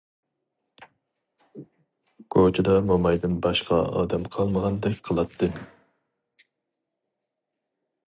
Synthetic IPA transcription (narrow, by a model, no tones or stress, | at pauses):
kʰot͡ʃʰɪd̪ɑmomɑjd̪ɪnbɑʃqɑ̰ɑ̰ːd̪ɛmqʰɑlˠməʁɑnd̪ɛkʲqʰəlˠɑt̪ʰːɨ